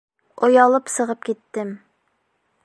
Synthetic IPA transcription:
ojɑlˠɨpsəʁəp̚kʲet̪ːɪm

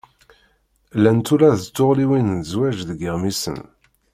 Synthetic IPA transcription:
lænt̪ulæðt͡sːoʁliwinnzwæʒðɡəʁmisə̰n

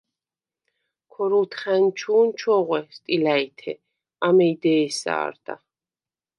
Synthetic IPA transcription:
kʰɔɾult̪ʰχɛnt͡ʃʰuːnt͡ʃʰɔʁwɛst̪ʼilait̪ʰɛ̰ | amɛid̪ɛːsa̰ːɾd̪a̰

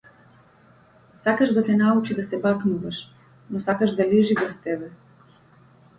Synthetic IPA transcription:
sakaʒd̪at̪ɛnaut͡ʃid̪asɛbaknuvaʃ | nɔsakaʒd̪aliʒiɡast̪ɛbɛ

